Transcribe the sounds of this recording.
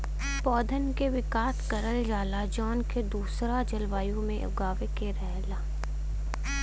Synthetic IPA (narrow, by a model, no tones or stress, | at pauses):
pɔːd̪ʱənkeʋɪkaːt̪kɐɾəld͡ʒaːlad͡ʒɔːnked̪uːsɾad͡ʒɐlʋaːjõmẽʔʊ̰ɡaːʋekeɾɛɦlaː